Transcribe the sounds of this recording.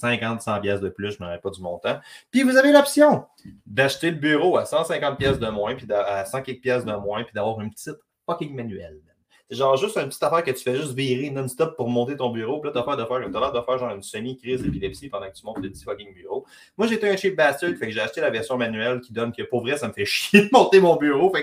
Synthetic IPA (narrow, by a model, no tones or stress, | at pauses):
sɛ̃kɑ̃t̪sɑ̃pjɛsd̪əplʏsʒməʁɛpɔd̪zymɔ̃t̪ãpivuzavelɔpsjɔ̃ | d̪aʃt̪eləbyːʁoasɑ̃sɛ̃kɑ̃t̪̚pjɛsd̪əmwɛ̃pid̪aasɑ̃kʲɛk̚pjɛsd̪əmwɛ̃pid̪avwɑːʁynpətt͡sɪt̪ | fɔkʲɪŋmanyɛlɛn | seʒɑ̃ːʁʒʏst̪ɛ̃pətt͡si̥t̪afæːʁkətt͡s̪y̥fɛʒʏst̪viːʁinɔnst̪ɔpːuʁmɔ̃t̪et̪ɔ̃byːʁopilʌt̪wafɛːʁd̪əfæːʁkɔt̪alaːʁd̪afæːʁʒɑ̃ːʁynsœɲikʲʁizepilɛpsipɑ̃d̪ɑ̃kət̪ymɔ̃t̪ləd͡z̪i̥fɔkʲɪŋbyːʁo | mwaʒeːt̪eɛ̃t͡ʃit̪̚bast̪ød̪fɛkʒeaʃt̪elavɛʁsjɔ̃manyɛlkʲid̪ɔnkʲəpuʁvʁɛsaməfɛʃjed̪mɔ̃t̪emɔ̃byːʁofɛk